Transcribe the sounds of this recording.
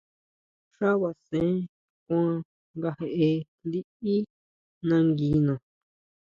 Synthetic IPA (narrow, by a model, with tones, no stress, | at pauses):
ʂa˦βa˨sẽ˨˦ | kʷã˦ | ŋɡa˧he˧ʔe˧ | li˦i˦ | nã˧ŋɡi˨˧nõ˨